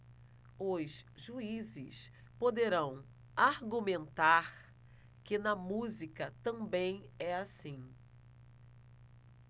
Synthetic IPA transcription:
ʊsʒuizɪ̰s | pod̪eɾɐ̃w̃ | aɾɡumẽnt̪aɾ | kɪnɐmuzikɐt̪ɐ̃bẽj̃ɛasĩ

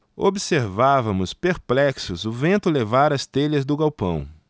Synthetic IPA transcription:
obiseɾvavɐmʊspeɾplɛksʊzʊvẽnt̪ʊlevaɾɐst̪eʎɐzd̪ʊɡawpɐ̰̃w̃

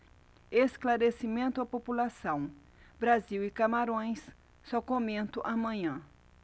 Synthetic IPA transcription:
esklaɾesimẽnt̪ʊɐpopulasɐ̃w̃ | bɾaziwɪkamaɾõj̃sː | ɔkomẽnt̪ʊʔamɐ̃ɲɐ̃

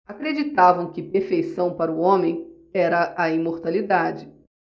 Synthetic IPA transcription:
akɾed͡ʒit̪avɐ̃w̃kɪpeɾfejsɐ̃w̃paɾʊõmẽj̃ | ɛɾɐʔɐĩmoɾt̪alid̪ad͡ʒɪ

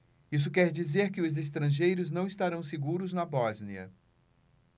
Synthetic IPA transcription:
is̬ʊkɛɾd͡ʒizeɾkɪʊzest̪ɾɐ̃ʒejɾʊznɐ̃w̃ist̪aɾɐ̃w̃seɡuɾʊznɐbɔzniɐ̰

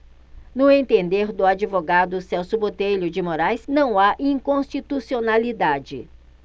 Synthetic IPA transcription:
nʊẽnt̪ẽnd̪eɾd̪ʊad͡ʒivoɡad̪ʊsɛwsʊbot̪ejʎʊd͡ʒɪmoɾajsnɐ̃w̃aʔĩŋkõst͡ʃit̪usionalid̪ad͡ʒɪ

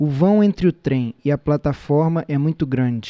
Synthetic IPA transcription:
ʊvɐ̃w̃ẽnt̪ɾɪʊt̪ɾẽj̃ɪɐplat̪afɔɾmɐʔɛmũj̃t̪ʊɡɾɐ̃d͡ʒɪ

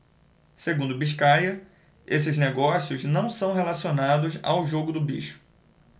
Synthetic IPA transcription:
seɡũnd̪ʊbiʃkajɐ | esɪzneɡɔsiʊznɐ̃w̃sɐ̃w̃ɦelasionad̪ʊza̰wʒoɡʊd̪ʊbiʃʊ̥

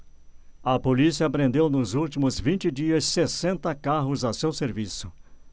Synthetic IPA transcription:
ɐpolisiɐpɾẽnd̪ewnʊzult͡ʃimʊzvĩnt͡ʃɪd͡ʒiɐsːesẽnt̪ɐkaɦʊzɐsewseɾvisʊ̥

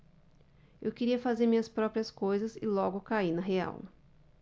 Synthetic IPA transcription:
ḛwkeɾiɐfazeɾmĩɲɐspɾɔpɾiɐskojzɐzɪlɔɡʊkainɐɦea̰w

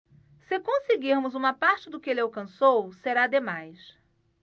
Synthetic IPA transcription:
sɪkõsɪɡiɾmʊzũmɐpaɾt͡ʃɪd̪ʊkɪelɪawkɐ̃sowseɾad̪emajs

